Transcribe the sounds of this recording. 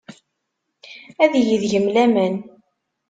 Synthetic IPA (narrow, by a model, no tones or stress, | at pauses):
æðjəðʝəmlæmən